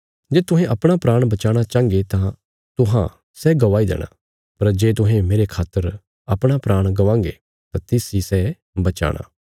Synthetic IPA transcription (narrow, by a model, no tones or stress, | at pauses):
d͡ʒeːt̪ʊɦɛ̃ʔɐpɽ̃apɾaːɽ̃bɐt͡ʃaːɽ̃at͡ʃãːŋɡet̪ã | t̪ʊɦã̰ | sɛɡɐʋaːid̪ɛ̰ːɽ̃a̰ | pɐɾd͡ʒeːt̪ʊɦẽmeːɾekʰaːt̪ːəɾ | ɐpɽ̃apɾaːɽ̃ɡɐʋãːŋɡḛ | t̪ãt̪ɪsisɛ | bɐt͡ʃa̰ːɽ̃a̰ː